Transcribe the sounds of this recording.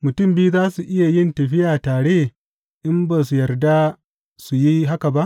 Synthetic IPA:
mʊ˨tʊ˦˨mbi˦u˦zaː˦su˨ʔɪ˦ja˨jɪ˦ntɐ˨ɸɪ˦jaː˨taː˨ɽeː˦ | ʔɪ˦mbaː˨s̬u˨jɐ˨rda˦ | su˨ji˦ɦa˦ka˨ba˦ʔ

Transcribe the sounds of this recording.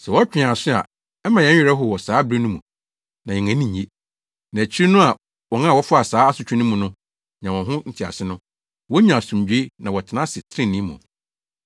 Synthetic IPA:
sɛ˨wɔ˦t͡ɕᶣɪ̃˨ã˨sʊ˦a̰˨ | ɛ˦mã˨jɛ̃˨˦ɥᶣɛ˨ɾɛ˦ɦʊ˨wɔ˨saː˨˦bɾe˦nũ˦mũ˨ | nã˨ɛ˨ŋæ̃˨˦nĩ˨ɲ˨e˦ | nã˨t͡ɕʰi˦ɾi˦nʊ̃˦a˨ | wɔ˨nã˦˨wɔ˦fʊ˦a˨saː˦a˦sʊ˨t͡ɕᶣɪ˦nʊ̃˦mũ˨nʊ̃˦ | ɲã˨wɔ̃˨ɦʊ̃˦n̩˨tʰɪ˨a̰˨sɪ˦nʊ̃˦ | wɔ˦ɲã˨sũ˨m˨d͡ʑᶣe˦nã˨wɔ˨tʰɪ˨nã˦sɪ˨tʰɪ˦ɾɪ̃˦nĩ˨˦mṵ̃˨

